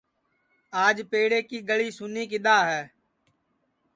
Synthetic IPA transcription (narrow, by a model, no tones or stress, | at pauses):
aːd͡ʒpeːɽeːkiːɡəɭiːsʊniːk̬ɪɗ̪aːɦɛː